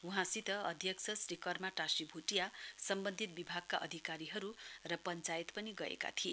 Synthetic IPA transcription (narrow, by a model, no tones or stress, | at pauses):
uɦãsit̪ʌʌd̪ʱjʌk̚t͡sʰʌsrikʌrmaʈasibʱuʈijasʌmbʌnd̪ʱit̪̚bibʱaɡ̚kaʔʌd̪ʱikaɾiɦʌɾurʌpʌnt͡sait̪pʌniɡʌḛka̰t̪ʰie